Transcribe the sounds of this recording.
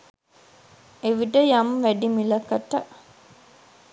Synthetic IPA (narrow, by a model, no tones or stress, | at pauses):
eʋiʈəjamʋæɖimilɐkəʈə